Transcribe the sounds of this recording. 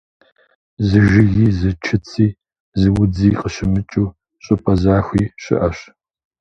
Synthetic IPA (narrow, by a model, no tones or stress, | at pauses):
zɨʒɪɣiːzɨt͡ʃʰɨt͡sʰiː | zɨwʊd͡ziːqəɕɪmɨt͡ʃʼuː | ɕʼɪpʼɐzaːxʷiːɕʼɪ̰ʔɐɕ